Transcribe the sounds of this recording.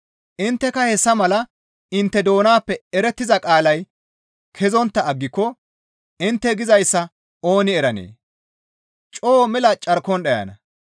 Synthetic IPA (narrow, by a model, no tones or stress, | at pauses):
ʔɪnt̪ːɛkɐhɛsːɐmɐlɐ | ɪnt̪ːɛd̪o̞ːnaːpːɛɛɾɛt̪ːɪzɐkʼaːlɐj | kʰɛzɔnt̪ːɐːɡːɪkːɔ | ɪnt̪ːɛɡɪzɐjsːɐ | oːnɪɛɾɐnḛː | t͡ʃʼoːmɛlɐt͡ʃʼɐɾkɔnɗɐjɐ̰nɐ